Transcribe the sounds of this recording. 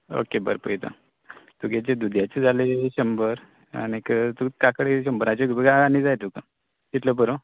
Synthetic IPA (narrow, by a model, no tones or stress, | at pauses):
o̰kebə̰ɾpəjt̪a̰ | t̪uɡat͡ɕed̪ud̪ʱjat͡ɕed͡zaleɕəmbəɾ | a̰nekt̪ukakəɽeɕəmbəɾat͡ɕeokebəɡaanid͡zajt̪uka | t̪it̪ləbəɾo